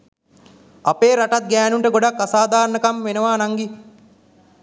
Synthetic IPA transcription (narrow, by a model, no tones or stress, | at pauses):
apeːɾaʈat̪̚ɡæːnuɳʈəɡoɖakːasaːd̪aːɾnəkamʋenəʋaːnaŋɡi